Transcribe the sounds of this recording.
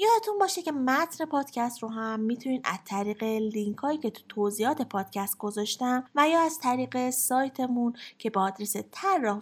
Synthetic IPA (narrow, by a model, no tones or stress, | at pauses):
jɒːd̪et̪ʰunbɒːʃecʰemæt̪ʰne̞pʰɒːd̪̥cʰæst̪ɾoɦæmːit̪ʰuniːnʔæ̰zt̪ʰæɾiːɣeliŋkʰɒːiːcʰe̞t̪ʰu̥t̪ʰoziːɒːt̪ʰe̞pʰɒːd̪̥̚cʰæst̪̚ɡ̥o̞zɒːʃt̪æmvæjɒːæz̥t̪ʰæɾiːɢe̞sɒːjt̪ʰe̞muncʰe̞beɒːd̪ɾeset̪ʰæɾːɒ